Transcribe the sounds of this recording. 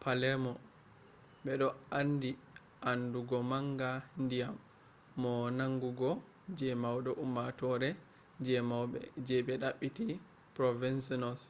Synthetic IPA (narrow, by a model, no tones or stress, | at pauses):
palɛmɔ | ɓɛɗɔandi | ʔanduɡɔmaŋɡandijamː | ɔnaŋɡuɡɔ | d͡ʒɛmawɗɔʔumːatɔɾɛ | d͡ʒɛmawɓɛ̰d͡ʒɛbɛɗaɓːiti | pɾɔvɛnsɔnɔs